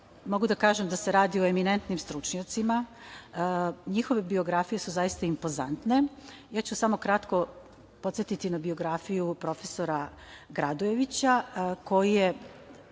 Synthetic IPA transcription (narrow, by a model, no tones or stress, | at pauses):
mo̞ɡud̪akaːʒe̞md̪ase̞ɾaːd̪ioe̞mine̞nt̪nimst̪ɾut͡ʃɲat̪sima | ɲixo̞ʋe̞bio̞ɡɾafije̞suzajist̪aimpo̞za̰nt̪ne̞ | jaːt͡ɕusamo̞kɾat̪ko̞ | pot̪sjet̪it̪inabio̞ɡɾafijupɾo̞fe̞so̞ɾa | ɡɾad̪oje̞ʋit͡ɕako̞jije